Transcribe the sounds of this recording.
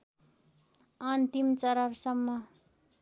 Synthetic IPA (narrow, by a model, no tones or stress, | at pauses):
ʌnt̪imt͡sʌɾʌrsʌmːʌ